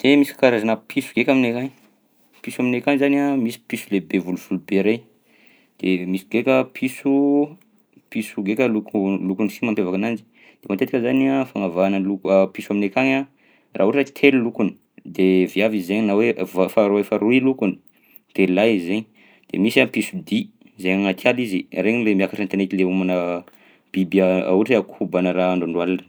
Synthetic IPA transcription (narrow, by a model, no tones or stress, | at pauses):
d̪̥emisi̥kaɾazanəpʰisu̥ɡekʲaminekaŋ | pisuaminekaŋzaniamisi̥pisulebevuluv̥ulubeɾej | d̪̥emisi̥ɡekʲəpʰisu | pisuɡekʲəlukulukunisimampevakanand͡ʒi̥ | d̪̥emat̪et̪ḁkəzanafaŋavanəlukpisuaminekaŋa | ra̰ɦuʈ͡ʂət͡ʃi̥t̪ʰelilukuni̥ | d̪eviavizzeɲinawevafaɾuefaɾuilukuni̥ | d̪̥elaizeɲ | d̪̥ḛmisapisud̪i | zeɲaŋat̪ʰjalizireɲilemiakaʈ͡ʂant̪enet̪ileumanə | b̥ibiaa̰uʈ͡ʂeakʰubanəɾaːɳɖ͡ʐoɳɖ͡ʐwalanə̥